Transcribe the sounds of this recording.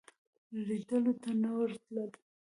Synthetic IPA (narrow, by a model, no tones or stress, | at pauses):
lid̪əlot̪anawəɾt̪ləl